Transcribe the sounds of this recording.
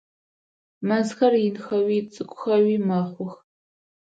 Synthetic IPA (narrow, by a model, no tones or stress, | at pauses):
mɐzxɐrjɪnxɐwiːt͡sʼɨkʷʼʊxɐwiːmaχʷʊx